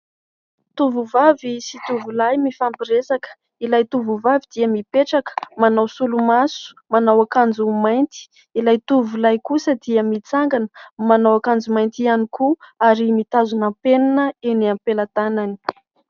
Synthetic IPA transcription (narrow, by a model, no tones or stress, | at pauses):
t̪uvuvavisit̪uvulajmifampiɾesakə̥ | ilajt̪uvuvavid̪̥iəmipeʈ͡ʂakə̥manawsulumasu̥ | manawakand͡zumajnt̪i̥ | ilajt̪uvulajkusəd̪iəmit͡saŋɡanə̥manawakand͡zumajnt̪ianikuaɾimit̪azunampeninəeniampelat̪anani̥